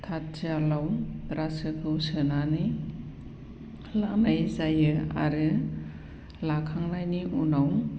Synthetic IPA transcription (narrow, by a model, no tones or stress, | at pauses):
tʰat̚t͡ʃalawɾasɯkʰɯwsɯnanɯ | lanajzajɯa̰ɾɯ | lakʰaŋnajniʔunaw